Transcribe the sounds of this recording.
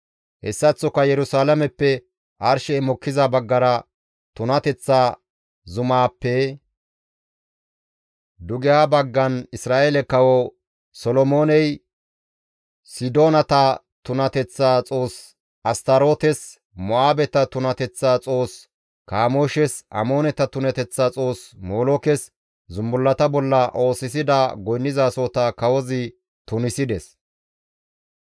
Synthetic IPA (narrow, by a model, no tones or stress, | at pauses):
hɛ̰sːɐt͡sːɔkɐjɛɾʊsaːlɐmɛpːɛ | ʔɐɾʃɛːmɔkːɪzɐbɐɡːɐɾɐ | t̪ʊnɐt̪ɛt͡sːaː | zʊmaːpːɛ | d̪ʊɡɪjaːbɐɡːɐnɪsɾaːʔeːlɛkːɐwo | sɔlɔmo̞ːnɛj | sɪd̪o̞ːnɐt̪ɐ | t̪ʊnɐt̪ɛt͡sːaːt͡sʼo̞ːs | ʔɐst̪ɐɾo̞ːt̪ɛs | mɔaːbɛt̪ɐt̪ʊnɐt̪ɛt͡sːaːt͡sʼo̞ːs | kaːmoːʃɛsʔɐ̰mo̞ːnɛt̪ɐt̪ʊnɛt̪ɛt͡sːaːt͡sʼo̞ːsmoːlɔkɛs | zʊmbʊlːɐt̪ɐbɔlːɐʔo̞ːsɪs̬ɪd̪ɐɡɔjnːɪzaːsoːt̪ɐkɐwɔzɪ | t̪ʊnɪsɪd̪ɛs